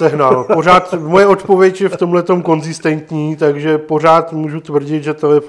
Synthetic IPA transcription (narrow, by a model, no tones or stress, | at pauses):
sɛɦnaːlpo̞raːt̪mo̞jɛo̞t̪po̞vjɛcjɛft̪o̞mlɛt̪o̞mko̞nzɪst̪ɛnt̪ɲiːt̪aɡʒɛpo̞r̝aːt̪muːʒut̪vr̩ɟɪt̪ʒɛt̪oɛ